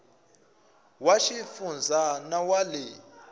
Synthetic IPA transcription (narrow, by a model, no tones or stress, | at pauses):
waʃifund͡zʱanawalɛ